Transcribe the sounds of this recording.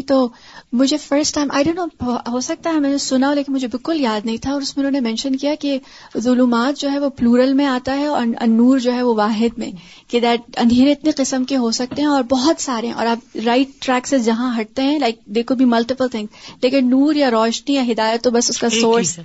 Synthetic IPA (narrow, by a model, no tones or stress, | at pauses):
t̪oː | mʊd͡ʒʱefəɾsʈːãɪ̃mʔa̰ɪɖõːnːoːɦosɐk̚t̪aɦɛmɛːnesʊnaɦoleːkɪnmʊd͡ʒʱebɪlkʊljaːd̪nɐɦĩt̪ʰaɔːɾʊsmẽʊnõːnemɛ̃nʃənkijake | zʊluːmaːt̪̚d͡ʒoːɦɛʋopluːɾəlmẽaːt̪aɦɛɔ̰ɐnːuːɾd͡ʒoːɦɛʋoʋaːɦɪd̪mḛ̃ | ked̪ɛːʈ̚ɐ̰̃nd̪ʱeːɾeɪt̪neqɪsəmkeɦosɐk̚t̪eɦɛ̃ɔːɾbɔɦɔt̪saːɾeɦɛ̃ʔɔ̰ːɾɐbɾaɪʈ̚ːɾɛːksesd͡ʒɐɦãɦɐʈ̚t̪eɦɛ̃laɪk̚d̪eːkʰobʱimɐlʈɪpəlt̪ʰɪ̃ŋzleːkɪnːuːɾjaɾɔːʃnijaɦɪd̪aːjət̪ːobɐsʊskasoːɾs